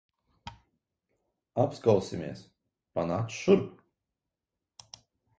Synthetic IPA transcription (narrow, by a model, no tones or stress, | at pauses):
apskawsʲimʲeɛs | panaːk̪sʃuɾp